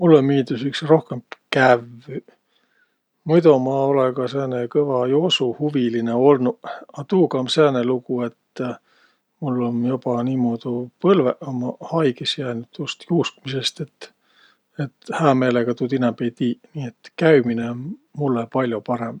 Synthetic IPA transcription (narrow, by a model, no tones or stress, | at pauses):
mulːo̞miːd̪usyksro̞hke̞mkæv | mojd̪omɑo̞leɡɑseːnekɤvɑjosuhuvilineo̞lnuɑt̪uːkɑmseenelukue̞t̪ː | mulːo̞njob̥ɑniːmoːd̪̥upɤlveʔomɑhɑjɡesjæːnud̪̥just̪juːskmise̞st̪e̞t̪ː | et̪hæːme̞ːleɡ̥ɑt̪ud̪inɛmbe̞jt̪iːniːet̪kæɥmineonmulːepɑlʲjopɑɾe̞m